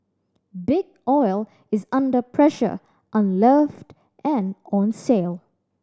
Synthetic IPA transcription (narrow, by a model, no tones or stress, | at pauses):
bɪɡ | ɔɪlˠ | ɪzʌ̃ndəpʰɹɛʃə̰˞ | ʔʌ̃nlɜft | ʔæ̃nɔ̃nseɪlˠ